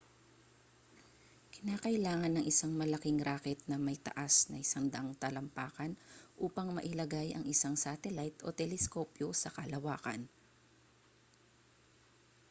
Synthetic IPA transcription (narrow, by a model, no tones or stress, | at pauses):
kɪnaːkɐʔɪlaːŋɐnːɐŋʔɪsaŋmɐlɐkɪŋɾaːkɛt̪̚nɐmɐjt̪ɐ̰ʔasnɐ̰ʔɪsaŋd̪ɐʔaŋt̪ɐlɐmpaːkɐnʔuːpɐŋmɐ̰ʔɪlɐɡajɐ̰ŋʔɪsaŋsat̪ɛlajt̪ʔo̞̰t̪ɛlɛskoːpjosɐkɐlɐwaːkɐ̰n